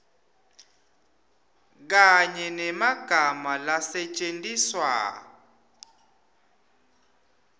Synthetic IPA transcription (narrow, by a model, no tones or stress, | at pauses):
k̬aɲɛnɛmaɡ̥ʱamalasɛt͡ʃʼendʼiswa̰